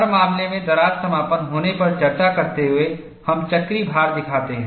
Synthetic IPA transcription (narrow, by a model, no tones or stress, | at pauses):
ɐɾmaːmlemẽd̪ɐɾaːt̪sɐmaːpənɦoːnepɐɾd͡ʒɐɾt̪akɐɾt̪eɦʊe | hɐmt͡ʃɐkɾibʱaːɾd̪ɪkʰaːt̪eɦɛ̃ː